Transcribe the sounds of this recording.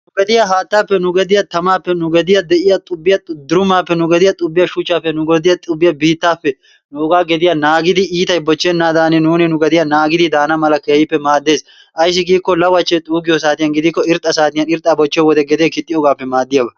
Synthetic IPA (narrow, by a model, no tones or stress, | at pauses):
nʊɡɛd̪ɪjɐɦaːt̪ːaːpːɛnʊɡɛd̪ɪjɐt̪ɐmaːpːɛnʊɡɛd̪ɪjɐd̪ɛʔɪjɐt̪ʼʊbːɪjɐt̪ʼʊd̪ʊɾʊmːaːpːɛnʊɡɛd̪ɪjɐt̪ʼʊbːɪjɐʃʊt͡ʃːaːpːɛnʊɡɔd̪ɪjɐt̪ʼʊbːɪjɐbiːt̪ːaːpːɛ | nʊɔɡaːɡɛd̪ɪjɐnaːɡɪd̪ɪiːt̪ɐjbɔt͡ʃːɛnːaːd̪aːnɪnuːnɪnʊɡɛd̪ɪjɐnaːɡɪd̪ɪd̪aːnɐmɐlɐkeːhɪpːɛmaːd̪ːe̞ːs | ʔɐjs̬ɪɡiːkːɔlɐwɐt͡ʃːɛt̪ʼuːɡɪjɔsaːt̪ɪjɐnɡɪd̪ɪkːɔɪɾt̪ʼɐsaːt̪ɪjɐnɪɾt̪ʼːaːbɔt͡ʃːɛwɔd̪ɛɡɛd̪jɐkɪt̪ʼːɪɔɡaːpːɛmaːd̪ːɪjabɐ